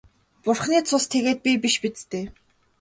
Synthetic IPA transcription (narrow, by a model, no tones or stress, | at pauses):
pʊrχniːt͡sʰʊst̪ʰeɣeːt̪̚pʲipiʃpit͡st̪eː